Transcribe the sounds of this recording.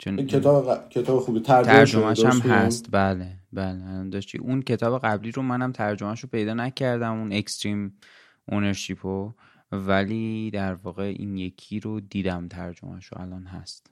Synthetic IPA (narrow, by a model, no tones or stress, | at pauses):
t͡ʃʰenʰet̪ʰɒːbekʰet̪ʰɒːbexubit̪ʰæɾd͡ʒt̪ʰɾd͡ʒomæʃæmɦæst̪bæːlebæːleælɒnd̪ɒːʃt̪ḭʔuncʰe̞t̪ʰɒːbe̞ɣæbliːɾomænæmt̪ʰæɾd͡ʒomæʃopʰe̞jd̪ɒːnæcʰæɾd̪æmune̞kst̪ɾiːm | ʔoneɾʃipʰo | væliːd̪æɾvɒːɣe̞ʔḭnje̞kʰiːɾod̪iːd̪æmt̪ʰæɾd͡ʒo̰mæ̰ʃo̰æ̰lɒːnɦæ̰st̪